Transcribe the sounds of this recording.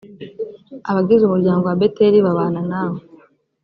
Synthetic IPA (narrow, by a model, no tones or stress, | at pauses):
aβaɡizumuɾɟaːŋɡo̞wabe̞teɾiβaβaːnanaːβo